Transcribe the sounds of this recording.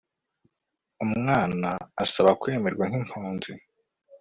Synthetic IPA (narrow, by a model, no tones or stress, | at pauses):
umŋaːnaːsaβakwe̞ːme̞ɾɡwaŋ̥hin̥hoːnzi